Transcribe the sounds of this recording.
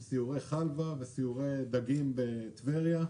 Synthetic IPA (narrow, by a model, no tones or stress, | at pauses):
siuʁeχalvavesiuʁejd̪aɡimbet̪veʁja